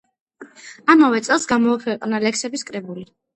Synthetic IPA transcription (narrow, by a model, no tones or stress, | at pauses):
amavɛt̪sʼɛlˠsɡamɔːkʰwɛqʼnalɛksɛbiskʼɾɛbuli